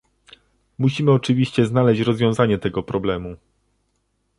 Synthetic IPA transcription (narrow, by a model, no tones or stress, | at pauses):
muɕimɘɔt͡ʂɘvʲiɕt͡ɕɛznalɛɕt͡ɕɾɔzvʲjɔ̃w̃zaɲɛt̪ɛɡɔpɾɔblɛmu